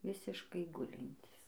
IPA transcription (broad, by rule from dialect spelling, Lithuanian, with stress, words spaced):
ˈʋʲɪsʲɪʃkɐɪ ˈɡʊlʲɪnʲtʲiːs